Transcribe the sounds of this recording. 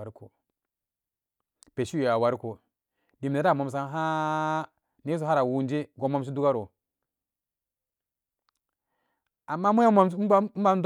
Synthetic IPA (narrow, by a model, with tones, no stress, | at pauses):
ɾko˨ | pe˨ʃi˦˨ja˨wa˨ɾko˨ | di˨m˨ne˨˦ɾa˦˨mo˨ms̬a˦n˦ɦa˦ | ne˦s̬o˨ɦa˦ɾa˨wu˦nd͡ʒi˦ɡo˨˦mo˦mʃ̬i˦du˦ɡa˦ɾo˨ | a˨mːa˦mu˦a˦ma˦m˦m̩˦a˦d